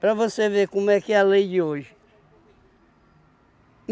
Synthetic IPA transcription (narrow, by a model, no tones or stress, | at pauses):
pɾɐvosevekõmʊɛkɪɛɐlejd͡ʒɪoʒɪ